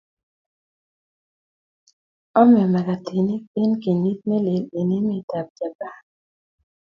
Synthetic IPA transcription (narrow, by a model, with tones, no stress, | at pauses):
ɔ˦mɛ˨ma˨ka˨tʰi˨ni˦pɪ˦nki˨ni˦t̪̚me˦le˨le˨ni˦mɪ˦˨ta˨p̚d͡ʒa˨ba˦